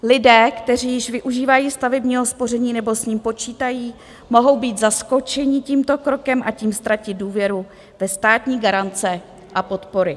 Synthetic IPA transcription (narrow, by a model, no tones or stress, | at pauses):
lɪdɛːkt̪ɛr̝iːjɪʃvɪʔuʒiːvajiːst̪avɛbɲiːɦo̞spo̞rɛɲiːnɛbo̞sɲiːmpo̞t͡ʃiːt̪ajiː | mo̞ɦo̞wbiːt̪zasko̞t͡ʃɛɲɪciːmt̪o̞kɾo̞kɛmʔaciːmst̪ɾacɪt̪̚duːvjɛɾu | vɛst̪aːt̪ɲiːɡaɾant͡sɛ | ʔapo̞t̪po̞ɾɪ